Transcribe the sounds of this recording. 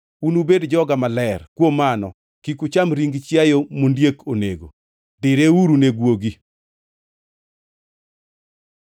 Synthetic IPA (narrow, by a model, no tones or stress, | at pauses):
unubedd͡ʒɔɡamalɛrkwomanɔ̰ | kikut͡ʃamɾiŋɡt͡ʃjajomondjekʰoneɡo̰ | dɪɾeuɾuneɡwoɡi